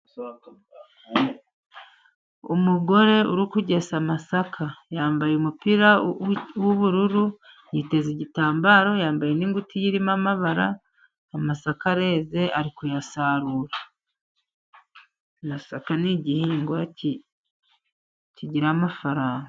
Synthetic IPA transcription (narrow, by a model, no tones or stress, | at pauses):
umuɡo̞ɾe̞uɾukuɟe̞samasakʰajaːmbajeumupiɾawuβuɾuɾu | jite̞ziɟitaːmbaɾo̞jaːmbajeniŋɡutijiɾimamaβaɾa̰ː | masakaɾe̞ːze̞ʔaɾikujasaːɾuɾa | masakaniɟihiːŋɡwaci | ciɟiɾamafaɾaːŋɡo